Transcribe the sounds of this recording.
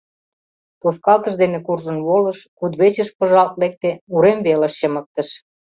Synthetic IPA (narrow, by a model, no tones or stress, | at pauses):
puʃkɑlt̪əʃd̪enekurʒə̆nβolɤ̆ʃkud̪βet͡ɕə̆ʃpə̆ʒɑlt̪lek̚t̪euɾemβeləʃt͡ɕə̆mə̆k̚t̪əʃ